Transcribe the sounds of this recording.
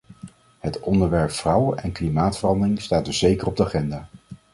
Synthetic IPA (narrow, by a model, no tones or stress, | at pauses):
ɦətɔndəɹʋɛɹpfrʌwəʔɛnklimaːtfərɑndərɪŋstaːt̚dɵsz̥ejkərɔb̚dəaχɛndaː